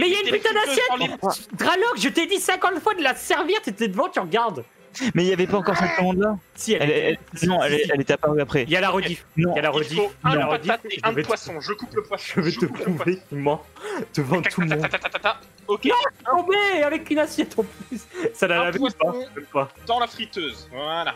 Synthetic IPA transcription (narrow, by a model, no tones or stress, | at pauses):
mɛiljaynpyt̪ãd̪asjɛt̪d̪ʁalɔkʒət̪ed̪isɛ̃kɑ̃t̪fwad̪əlasɛʁviʁt̪et̪ɛd̪əvɑ̃t̪yʁɡaʁd̪ | mɛiljavɛpaɑ̃kɔʁsɛt̪̚ɡəmɑ̃d̪lasiɛɛlɛsmɑ̃ɛlɛlet̪ɛapaʁyapχɛiljalaʁɔifnɔ̃jalaʁɔd̪iffalaʁd̪ifʒəvɛt̪ʒkupwʒəvɛt̪əpχuvet̪ymɑ̃d̪əvɑ̃t̪ʰːulmɔ̃aat̪at̪aa | okʲeɔ̃beavɛkynasjɛt̪ɑ̃plyssalalavɛupamɛmpad̪̥ɑ̃lafχit̪øzala